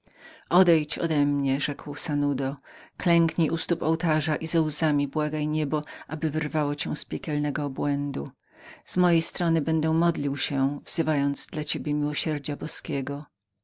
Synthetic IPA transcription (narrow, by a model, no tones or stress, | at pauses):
ʔɔd̪ɛjt͡ɕɔ̰d̪ɛmɲɛʐɛkwsanud̪ɔklɛŋkɲiʔust̪upɔwt̪aʐaʔizawzamʲibwaɡajɲɛbɔʔabɘvɘɾvawɔt͡ɕɛw̃spʲjɛkʲɛlnɛɡɔːbwɛnd̪u | z̥mɔjejst̪ɾɔnɘbɛnd̪ɛmɔd̪lʲiwɕɛvz̥ɘvajɔnd̪zd̪lat͡ɕebʲjɛmʲiwɔɕɛɾd͡ʑabɔskʲɛɡɔ